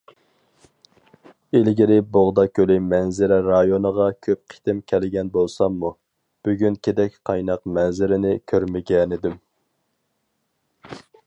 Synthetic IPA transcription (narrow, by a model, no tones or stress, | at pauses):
elɡʲiɾɪboʁd̪ɑkʲʰølɪmɛnzɪɾɛɾɑjonəʁɑkʲʰøp̚qʰi̥t̪ɪmkʲʰɛlɪɡʲɛnbolˠsɑmːu | b̥yɡʲynkʲʰed̪ɛkʲqʰɑjnɑqmɛnzɪɾɪnɪkʲʰøɾmɪɡʲɛnɪd̪ɪm